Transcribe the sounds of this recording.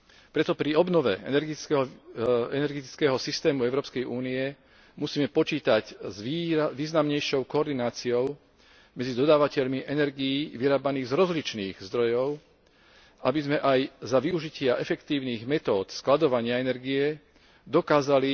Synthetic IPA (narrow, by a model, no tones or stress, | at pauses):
pɾɛt̪ɔpɾiɔbnɔʋɛ̰ɛ̰nɛɾɡ | ɛnɛɾɡɛt̪i̥t͡skɛːɦɔsist̪ɛːmuɛʊɾɔːpskɛjuːniɛ | musiːmɛpɔt͡ʃiːt̪aczʋiːznamɲɛjʃɔʊkɔɔːɾd̪inaːt͡siɔʊ | mɛd͡zid̪ɔd̪aːʋacɛʎmiʔɛnɛɾɡijiːʋiɾaːbaniːɣzɾɔzlit͡ʃniːɣzd̪ɾɔjɔʊ | abizmɛʔajzaʋiuʒicɪaʔɛfɛkt̪iːʊniːɣmɛt̪ɔːt̪sklad̪ɔʋaɲɪaɛnɛɾɡijɛ | d̪ɔkaːzali